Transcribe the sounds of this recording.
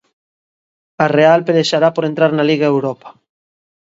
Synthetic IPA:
arealpeleʃaɾapoɾent̪ɾaɾnaliɣaewɾɔpḁ

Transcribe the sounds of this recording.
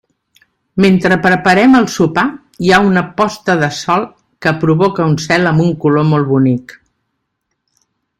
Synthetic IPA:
ment̪ɾəpɾəpəɾɛməlˠsupa | jaunəpɔst̪əðəsɔlˠ | kəpɾuβokəunsɛləmbuŋkulomolˠβunik

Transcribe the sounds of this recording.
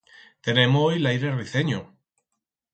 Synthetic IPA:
t̪enemoojlajɾeriθeɲo

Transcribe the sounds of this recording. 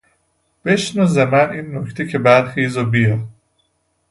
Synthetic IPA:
b̥e̞ʃnozemæniːnːocʰt̪ʰecʰebæɾxiːzobijɒː

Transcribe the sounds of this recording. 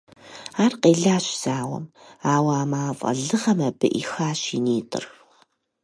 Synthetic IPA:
aːrqeːɮaːɕz̥aːwɐ̰maːwaaːmaːfʼɐ̰ɮɨʁɐmɐbɨ̰ʔixaːɕiniːtʼɨ̰r

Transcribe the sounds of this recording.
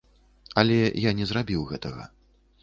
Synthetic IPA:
ɐlʲɛjanʲɛzrabʲiwɣɛt̪ɐɣɐ̰

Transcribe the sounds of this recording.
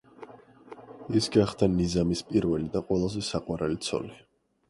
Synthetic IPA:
isɡaχd̪anizamispʼiɾvɛlid̪aqʼwɛlˠazɛsaqʼwaɾalit̪sʰɔ̰li

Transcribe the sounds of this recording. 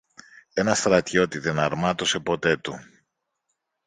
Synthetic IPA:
e̞nɐst̪ɾɐt̪ço̞t̪iðe̞nɐɾmɐt̪o̞se̞po̞t̪e̞t̪u

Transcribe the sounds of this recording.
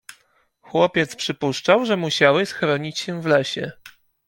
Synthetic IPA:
xwɔpʲjɛt̪spʂɘpuʂt͡ʂawʐɛmuɕawɘsxɾɔɲit͡ɕɕɛvlɛɕɛ̰

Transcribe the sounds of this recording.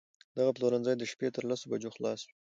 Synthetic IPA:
d̪̥aɣaploɾanzɑjd̪əʃpet̪əɾlasobad͡ʒoxlɑswi

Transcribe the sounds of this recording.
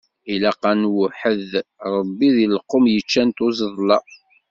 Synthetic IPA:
ilæqɑnwʊħəðɾˤəbːiðiləqːomjət͡ʃːænt̪uzəðˤlɑ

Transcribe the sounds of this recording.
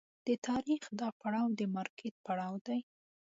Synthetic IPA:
d̪̥ət̪ʰɑɾixd̪ɑpaɽɑwd̪əmɑɾkʰɪt̪̚paɽɑwd̪aj

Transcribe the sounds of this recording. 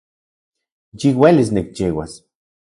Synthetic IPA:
jiwelis̬nek̚t͡ʃiwa̰s

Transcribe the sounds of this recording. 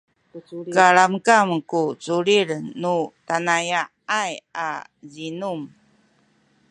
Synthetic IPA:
kaɭamkamkut͡suɾiɭnutanaja | aja̰ | zinum

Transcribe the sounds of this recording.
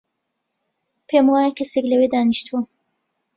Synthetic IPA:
pʰeːmwaːjekʰɐseklɐwed̪aːniʃt̪ʰu

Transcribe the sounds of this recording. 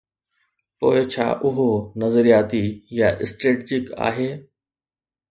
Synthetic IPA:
poːɪt͡ɕʰa̰ːʔʊɦonɐzəɾijaːt̪ijaʔɪsʈɾeːʈid͡ʒɪka̰ːɦeː

